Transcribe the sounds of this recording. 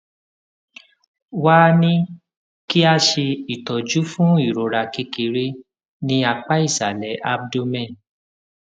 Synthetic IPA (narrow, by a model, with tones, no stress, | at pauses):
wa˦nĩ˦ | ki˦a˧ʃe˧i˨tɔ˨d͡ʒu˦fũ˦i˦˨ɾo˨ɾa˨ki˧˦ki˧ɾe˦ | nĩ˧a˧k͡pa˦i˦˨sa˨lɛ˨˦ʔa˧bdo˧mɛ̃˦˨